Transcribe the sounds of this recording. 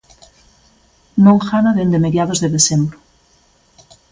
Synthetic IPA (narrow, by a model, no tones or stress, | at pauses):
nõŋxanaðend̪emeðjaðozðeðesembɾo